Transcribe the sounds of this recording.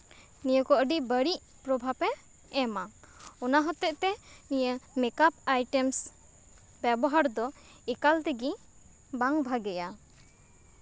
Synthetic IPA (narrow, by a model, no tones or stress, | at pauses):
nijəkɔəɖibəɽiʔ | pɾɔbʱapɛː | maɔnaɦɔt̪ɛʔt̪ɛnijəmɛkap̚ajʈɛms | bɛbɔɦaɾd̪ɔ | ɛkalt̪ɛɡi | baŋbʱaɡɛja